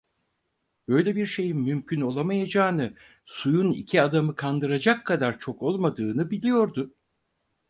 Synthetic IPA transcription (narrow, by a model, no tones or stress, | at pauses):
b̥ø̞jlʲɛbiɾʃe̞jimymcʰyno̞lˠamajad͡ʒaːnɯ | sujunḭcʰiad̪amɯkʰand̪ɯɾad͡ʒakʰːad̪aɾt͡ʃʰo̞ko̞lˠmad̪ɯːnɯbilʲijo̞ɾd̪ʊ